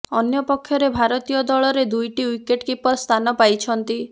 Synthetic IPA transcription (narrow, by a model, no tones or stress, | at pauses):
ɔnjɔpɔkʰːjɔɾebʱaɾɔt̪ijɔd̪ɔɭɔɾed̪ujʈiujkeʈkipɔst̪ʰanɔpajt͡ʃʰɔnt̪i